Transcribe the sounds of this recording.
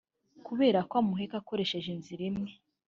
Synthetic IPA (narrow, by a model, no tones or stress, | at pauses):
kuβe̞ːɾakwamuɦekako̞ɾe̞ʃeʒenziɾimŋe